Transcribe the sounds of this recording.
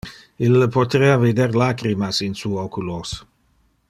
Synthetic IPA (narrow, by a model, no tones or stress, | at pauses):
ilːəpot̪eːaved̪erlaːkɾimasinsuokulos